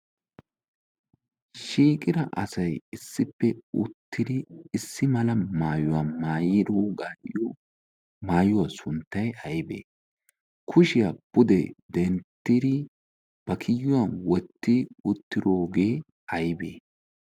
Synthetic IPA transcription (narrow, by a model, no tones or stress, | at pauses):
ʃiːkʼɪɾɐʔɐsɐjɪsːɪpːɛʊ̰t̪ːɪd̪ɪːsːɪmɐlɐmaːjʊwɐmaːjɪd̪oːɡaːʔɪjo | maːjʊwɐsʊnt̪ːɐjɐjbḛː | kʰʊʃɪjabʊd̪ɛd̪ɛnt̪ːɪd̪ɪ | b̥ɐkʰɪjːʊwɐnwɔt̪ːɪʊt̪ːɪd̪oːɡe̞ː | ɐjbeː